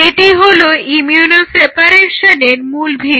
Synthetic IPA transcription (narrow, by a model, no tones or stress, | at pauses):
eʈiɦoloimjunosepaɾeɾʃaneɾmulbʱi